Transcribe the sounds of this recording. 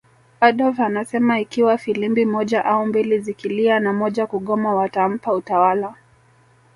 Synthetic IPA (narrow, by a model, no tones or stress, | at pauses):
aɗɔlvanasɛmaikiwafilimbimɔʄaʔaumbilizikilianamɔʄakuɠɔmawatam̩pautawala